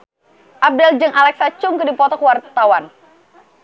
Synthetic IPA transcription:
ʔap̚dald͡ʒɨŋʔalɛk̚sat͡ʃʊŋkɨdipɔt̪ɔkwart̪awan

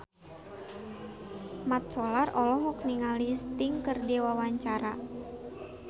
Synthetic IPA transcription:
mat̪̚sɔlarɔlɔɦɔk̚niŋalist̪iŋkərdiwawaɲt͡ʃaɾa̰

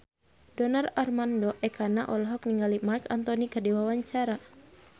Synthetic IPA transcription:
dɔnararmandɔʔɛkʰanaʔɔlɔɦɔkniŋɡalimarkant̪ɔnikərdiwawaɲt͡ʃaɾa

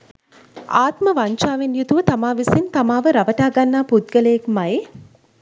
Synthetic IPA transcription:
aːt̪məʋaɲt͡ʃaːʋenjut̪uʋət̪amaːʋisint̪amaːʋəɾaʋəʈaːɡanːaːpud̪̚ɡələjekmaj

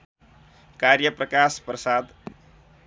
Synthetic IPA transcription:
kaɾjəpɾəkaspɾəsad̪

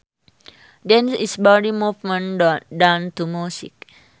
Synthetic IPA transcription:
dɛ̃nsisbɔdimuvmə̃ndɔtdãnt̪umjusḭk̚

